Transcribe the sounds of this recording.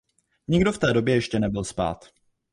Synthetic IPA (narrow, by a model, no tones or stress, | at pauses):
ɲɪɡdo̞ft̪ɛːdo̞bjɛjɛʃcɛnɛbɪlspa̰ːt̪